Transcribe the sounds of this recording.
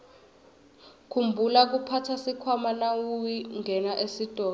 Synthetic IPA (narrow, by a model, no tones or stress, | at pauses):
kʰumbʱulak̬upʰatʰasikʰwamanawujiŋɛnaʔesid̥ʱɔː